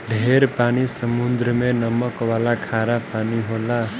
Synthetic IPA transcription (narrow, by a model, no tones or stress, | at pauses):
ɖʱeɾpaːnisəmund̪ɾəmenəməkʋalakʰaɾapaːniɦola